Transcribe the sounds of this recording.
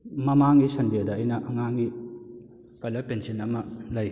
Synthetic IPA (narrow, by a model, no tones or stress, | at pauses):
mɐmaŋɡisɐndiɐdɐːjnɐʔɐŋaŋɡi | kɐlɐpensinɐmɐlɐj